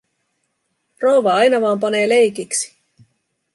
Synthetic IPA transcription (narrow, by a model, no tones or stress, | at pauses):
rowʋɑɑjnɑʋɑːmp̬ɑne̞ːle̞jkiksi̥